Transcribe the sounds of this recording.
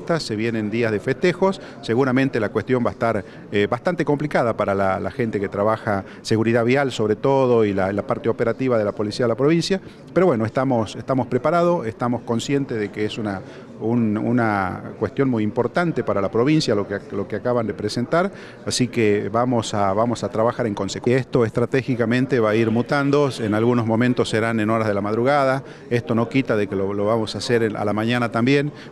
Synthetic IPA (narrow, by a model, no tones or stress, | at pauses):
t̪asːeβje̞nend̪iazð̞efest̪exo̞sː | eɣuɾamẽnt̪elakwest̪jo̞mbaest̪aɾ | eβast̪ant̪eko̞mplikað̞apaɾala̰la̰xe̞nt̪eket̪ɾaβaxa | seɣuɾiðaβjalso̞βɾet̪oðo̞ilalapaɾt̪eo̞peɾat̪iβaðelapo̞lisiaðelapɾo̞β̞insja | peɾo̞βwe̞noest̪amo̞sest̪amo̞spɾepaɾað̞oest̪amo̞sko̞nsje̞nt̪eðekeesuna | unṵnakwest̪jo̞nmujimpo̞ɾt̪ant̪epaɾalapɾo̞β̞insjalolo̞keakaβand̪epɾesent̪aɾ | asikeβamo̞saβamo̞sat̪ɾaβaxaɾeŋko̞nsekwiest̪o̞est̪ɾat̪exikamẽ̞nt̪eβaiɾmut̪and̪osenalɣunozmõ̞mẽnt̪osːeɾanẽnoɾazð̞elamaðɾuɣaða | est̪o̞no̞kit̪aðekeloloβamo̞saseɾa̰lamãɲanat̪ambje̞n